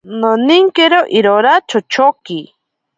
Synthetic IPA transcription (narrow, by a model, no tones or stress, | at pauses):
noniŋkeɾoʔiɾoɾat͡ʃot͡ʃoki